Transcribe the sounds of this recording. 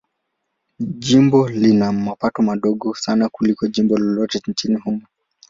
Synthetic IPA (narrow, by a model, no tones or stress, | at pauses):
ʄimbɔlinamapatɔmaɗɔɠɔsanakulikɔʄimbɔlɔlɔtɛnt͡ʃinihumɔ